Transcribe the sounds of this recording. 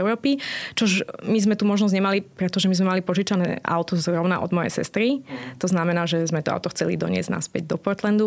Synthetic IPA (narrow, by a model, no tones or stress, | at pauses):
ɛʊɾɔːpit͡ʃɔʒmizmɛt̪umɔʒnɔzɲɛmalipɾɛt̪ɔʒɛmizmɛmalipɔʒit͡ʃanɛ̰ːʔa̰ʊt̪ɔzɾɔʊna̰ʔɔ̰d̪mɔjɛ̰jsɛ̰st̪ɾit̪ɔznamɛnaːʒɛzmɛt̪ɔa̰ʊt̪ɔxt͡sɛlḭd̪ɔ̰ɲɪɛ̰zɟna̰spɛɟ̚d̪ɔpɔɾt̪lɛnd̪u